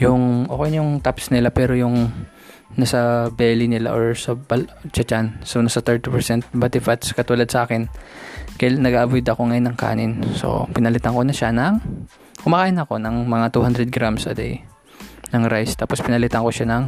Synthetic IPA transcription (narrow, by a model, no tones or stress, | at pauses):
jʊŋʔo̰ːkɛjnjʊŋt̪apsnɪlapɛːɾo̞jʊŋ | nɐsɐbɛːlɪnɪla̰ʔoɹsɐbɐlt͡ʃɐt͡ʃansonɐsɐt̪ɛɹt̪ipɛɹsɛnt̪̚bɐt̪ɪfat̪skɐt̪uːlɐd̪sɐʔaːkɪnkɐjanɐɡaːʔɐbojd̪ʔɐko̞ŋɐjonːɐŋka̰ːnɪnso̰pɪnɐlɪt̪ɐŋko̞nɐʃanɐŋ | kʊmɐkaːʔɪnɐko̞nɐŋmɐŋat̪uhand̪ɾɛd̪̚ɡɾamsʔɐ̰d̪ɛ̰j | nɐŋɾajst̪aːpospɪnɐlɪt̪ɐŋko̞ʃanɐŋ